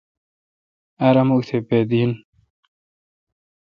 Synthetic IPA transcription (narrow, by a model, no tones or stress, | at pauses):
aɾɐmukt̪ʰeped̪in